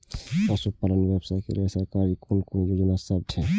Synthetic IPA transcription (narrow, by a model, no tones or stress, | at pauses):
ɛsupalənʋjebsajkḛlesakaɾikunkunjoːd͡ʒnasəb̚t͡ʃʰɛ